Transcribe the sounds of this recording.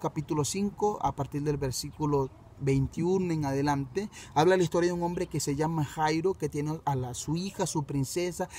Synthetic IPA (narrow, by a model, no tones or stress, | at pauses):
kapit̪ulo̞siŋko̞a̰paɾt̪iɾðe̞lbeɾsikulo | βe̞jnt̪iunoeŋaðe̞lant̪eaβlalaist̪ojaðuŋo̞mbɾe̞kese̞ʝamaxajɾo̞ke̞t̪je̞nealasuixasupɾinse̞sa